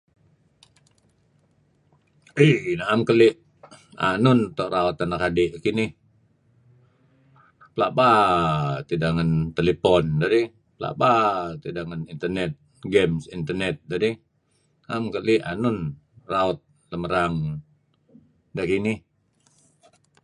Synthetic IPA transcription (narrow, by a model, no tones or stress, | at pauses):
ihnaamkəliʔ | a̰nʊnt̪ɔʔɾaut̪̚anakadɛʔkinɪh | pəlaʔba | t̪idaŋant̪elepɔndaɾi | pəla̰ʔbat̪idaŋanint̪ərnɛt̪̚ | ɡɛmsint̪ərnɛt̪̚dadi | naamkəlianʊnraɔt̪̚ | ləməɾaŋ | dakini